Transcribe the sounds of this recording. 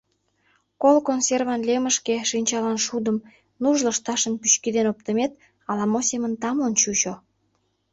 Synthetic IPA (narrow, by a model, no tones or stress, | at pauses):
kolkonserβɑnleməʃkeʃinʲt͡ɕɑlɑnʃud̪əm | nuʒləʃt̪ɑʃənpyɕkid̪enop̚t̪əmet̪̚ | ɑlɑmosemənt̪ɑmənt͡ɕut͡ɕo